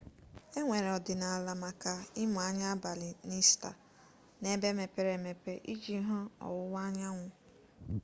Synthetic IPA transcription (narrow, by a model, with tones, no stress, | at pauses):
e˦ŋʷe˨ɾɔ˨dɪ˨na˨a˨la˨ma˨ka˨ɪ˦mʊ˨a˦ɲa˦ba˨lɪ˨ni˦sta̰˨ | ne˦be˦me˨pe˦ɾe˨me˨pe˦ʔi˦d͡ʒi˦ɦʊ˦ɔ̰˨wʊ˦wa˦ɲa˦ŋʷʊ˨